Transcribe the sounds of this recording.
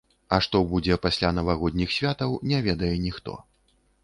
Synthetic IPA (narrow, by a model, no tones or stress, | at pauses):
ɐʂt̪ɔbud͡zʲɛpasʲlʲanɐvaɣɔd̪ʲnʲixsʲvʲat̪ɐwnʲɛvʲɛd̪ɐjɛnʲixt̪ɔ̰